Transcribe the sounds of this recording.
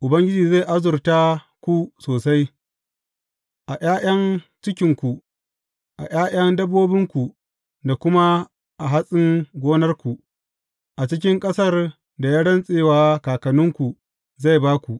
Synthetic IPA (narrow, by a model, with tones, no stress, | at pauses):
ʔʊ˨bɐ˦ŋɡʲɪ˦d͡ʒiː˨za˦˨ʔa˦zʊ˨rta˦ | kʷu˦soː˨sa˦j | ʔa˨j̰ʲaː˦jɐ˦nt͡ʃɪ˦kʲɪ˨ŋkʷu˨ | ʔa̰˨j̰aː˦jɐ˦ndɐ˦bːoː˦bɪ˦ŋkʷu˨ | da˨kʷʊ˦ma˦ | ʔa˨ɦa˦sʼɪ˦ŋɡʷoː˦nɐ˦rkʷu˨ | ʔa˨t͡ʃɪ˦kʲɪ˦ŋkʼɐ˦sɐ˦r | da˨jaː˦ɽɐ˦nsʼeː˦waː˦kaː˨kɐ˨nʊ˦ŋkʷu˨ | za˦˨jbaː˦kʷu˨ʔ